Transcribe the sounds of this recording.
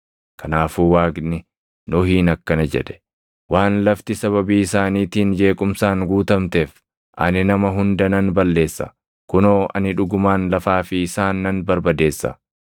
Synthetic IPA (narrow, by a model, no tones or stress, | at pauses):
kʰɐnaːfuːwaːɡnɪ | nɔhiːnɐkːɐnɐd͡ʒɛ̰ᶑɛ̥ | waːnlɐft̪ɪsɐβɐbiːɪsaːniːt̪iːnd͡ʒe̞ːkʼʊmsaːŋɡuːt̪ɐmt̪eːf | ʔɐ̰nɪnɐmɐɦʊnd̪ɐnɐnbɐlːe̞ːsːɐ̰ | kʊno̞ːɐ̰nɪᶑʊɡʊmaːnlɐfaːfɪɪsaːnːɐnbɐɾbɐd̪e̞ːsːɐ̰